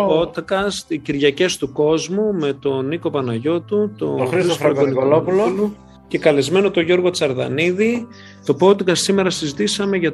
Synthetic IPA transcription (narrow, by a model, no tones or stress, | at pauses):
pot̪kɐst̪iciɾʝɐce̞st̪uko̞zmume̞t̪o̞niko̞pɐnɐʝo̞t̪ut̪o̞oxɾissfɐɐɡonikoloulolu | ce̞kɐlezme̞no̞t̪o̞ʝo̞ɾɣo̞t͡sɐɾðɐ̰niði | t̪o̞po̞t̪kɐssime̞ɾɐsizit̪isɐme̞ʝɐ